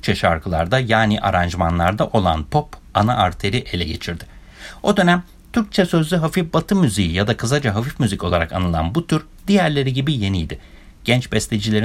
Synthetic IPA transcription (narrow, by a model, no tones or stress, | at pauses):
t͡ʃʰɛʃa̰ɾkʰɯlˠa̰ɾd̪ajaːniʔa̰ɾand͡ʒmanlˠaɾd̪aʔo̞lˠa̰npʰo̞pana̰ʔaɾt̪ʰe̞ɾiʔe̞lʲɛɟe̞t͡ʃʰiɾd̪ɪ | o̞d̪ø̞næm | t̪ʰyɾc̚t͡ʃʰɛsø̞zlʲyɦafifbat̪ʰɯmyzijijad̪akʰɯzad͡ʒaɦafifmyzico̞lˠaɾaka̰nɯlˠa̰nbut̪ʰyɾ | d̪ijæɾlʲe̞ɾiɟibije̞nijd̪ɪ | ɟ̥ɛnt͡ʃbɛst̪ʰʲed͡ʒilʲe̞ɾ